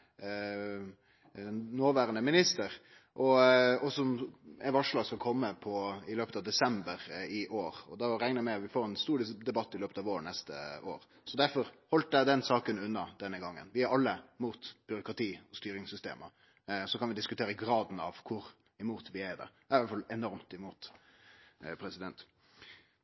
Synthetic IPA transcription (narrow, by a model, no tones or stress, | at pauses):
noːʋæːɾənəmɪnɪst̪əɾ | ʔɔɔsɔmɛʋɑʂɭɑːɡskɑlkʰɔmːəpʰɔɪløːpət̪ɑʋd̪ɛsɛmbəɾɪʔoːɾɔd̪ɑɾæŋnəmɛʋɪfoːɾɛnst̪uːɾd̪ɛbɑt̪ːɪløːpət̪ɑːʋoːɾənɛst̪ə̰o̰ːɾ | sɔd̪æɾfɔɾhɔlt̪̚d̪æɪd̪ɛnsɑːkənʉnːɑd̪̥ɛnːəɡɑŋːə̰nʋɪæɾɑlːəmuːt̪b̥ʏɾʊkʁɑt̪ʰiːɔst̪yːɾɪŋsʏst̪ḛːmə | sɔkʰɑnʋɪd̪ɪskʉt̪ʰeːɾəɡɾɑːd̪n̩ɑʋkʰʊɾ | ɪmuːt̪ʰʋɪæd̪ɛ̰ | æɾʋɑlfɑlɛnɔɾmt̪ɪmuːt̪ | pʰɾɛsɪd̪ɛnt̪